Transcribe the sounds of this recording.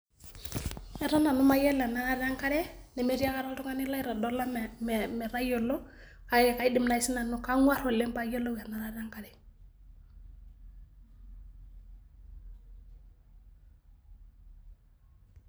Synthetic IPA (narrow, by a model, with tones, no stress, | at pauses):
ɛ˨ɾa˦na˨nʊ˦ma˦jɛ˦la˨na˨˦ɾa˦ɾa˦ŋka˦ɾɛ˦nɛ˨me˨ɾi˦a˦ka˦ɾa˦ltʊ˦ŋa˦nɪ˦la˦i˦ɾa˨dɔ˦la˦m˨m˨mɛ˨ɾa˦jo˨lɔ˦ | ka˦˨ka˦i˦dɪ˨mna˨i˦sɪ˦na˨nʊ˦ka˦ŋwa˦ɾɔ˨lɛ˦mpa˦je˦lo˦ɡa˨na˨ɾa˦ɾa˦ŋka˦ɾɛ˨